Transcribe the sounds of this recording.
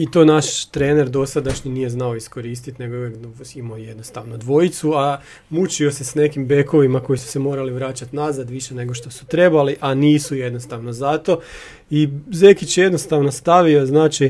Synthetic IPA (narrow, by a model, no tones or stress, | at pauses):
it̪o̞naʃt̪ɾeːne̞ɾd̪o̞sad̪aʃɲinije̞znao̞isko̞ɾiːst̪it̪ne̞ɡoekimoje̞d̪no̞st̪aʋnod̪ʋo̞jit̪sua | mut͡ɕio̞se̞sne̞kimbe̞ko̞ʋimako̞jisu̥se̞mo̞ːɾaliʋɾaːt͡ɕat̪nazad̪ʋiʃe̞ne̞ɡo̞ʃt̪osu̥t̪ɾe̞baliʔaniːsuje̞d̪no̞st̪aʋno̞zat̪o̞ | ize̞kit͡ɕje̞d̪no̞st̪aʋno̞st̪aʋio̞znaːt͡ʃi